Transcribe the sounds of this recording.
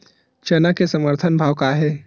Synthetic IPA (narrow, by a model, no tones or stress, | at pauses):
t͡ʃɐnakesɐməɾt̪ʰənbʱaːʋkaɦɛː